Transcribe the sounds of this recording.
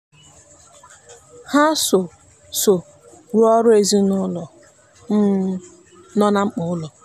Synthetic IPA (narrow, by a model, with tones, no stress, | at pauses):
ha˦so˨ | so˨ | ɾu˦ɔ˦ɾʊ˦e˨zi˦nʊ˦lɔ˨˦ | nɔ˦na˦ŋ͡m̩˦k͡pʊ˨ʊ˦lɔ˨